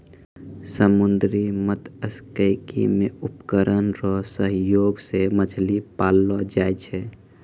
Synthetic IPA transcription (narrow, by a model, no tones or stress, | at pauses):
səmund̪ɾimət̪əskəɪkḭmeupkəɾənɾɔsəɦjoɡseməd͡ʒʰʱlipalːɔd͡ʒajt͡ʃʰɛ